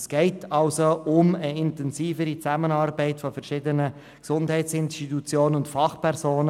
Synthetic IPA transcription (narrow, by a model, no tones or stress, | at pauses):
sɡ̥ɛɪtʰɑlsoʊməɪntɛnsiːfəɾit͡sæmənɑːɾbɛɪtfɔfɛɾʃɪdənə | ksʊndɦɛɪtsɪnstitut͡sjoːnənʊntfɑχpʰɛɾzoːnə